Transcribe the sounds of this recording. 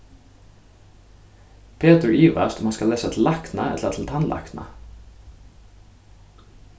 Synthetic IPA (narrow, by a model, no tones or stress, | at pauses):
pʰeːt̪ʉɹiːʋæ̰ʃt̪mɑːskɑleːsət̪ʰl̩ɑknɑʔɛ̰ləət̪ʰl̩t̪ʰɑnlʔɑ̰knʔɑ̰